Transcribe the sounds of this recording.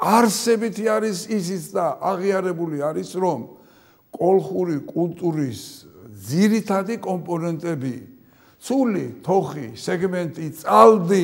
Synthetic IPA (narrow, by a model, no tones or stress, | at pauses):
aɾsɛbit̪ʰiaɾisisit̪sʰd̪aʔaʁiaɾɛbuliaɾisɾɔm | kʼɔlˠχuɾikʼult̪ʼuɾisd̪ziɾit̪ʰad̪ikʼɔmpʼɔnɛnt̪ʼɛbḭ | t̪sʰulit̪ʰɔχisɛɡmɛnt̪ʼit̪sʼald̪i